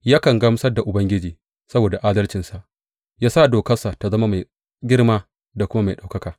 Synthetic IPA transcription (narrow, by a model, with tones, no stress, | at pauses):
jaː˦kɐ˨ŋɡa˦m˦sɐ˦rda˨ʔʊ˨bɐ˦ŋɡʲɪ˦d͡ʒiː˨ | sɐ˦boː˨da˨ʔaː˦dɐ˦lt͡ʃɪ˨nsa˨ʔ | jaː˦saː˦˨doː˨kɐ˦sa˨ta˨zɐ˦ma˦ma˨j | ɡʲɪ˦ɽmaː˦ | da˨kʷʊ˦ma˦ma˨ɗa˨wkɐ˦kaː˨